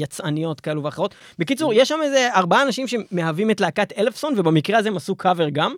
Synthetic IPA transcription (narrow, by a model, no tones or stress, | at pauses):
jat͡sanijo̞t̪kae̞luveaχeʁo̞t | bekit͡suʁjeʃːameze̞aʁbaaːnaʃimʃe̞meɦavimetlaːkat̪elefso̞nvebamikʁeazemasukʰaveʁɡam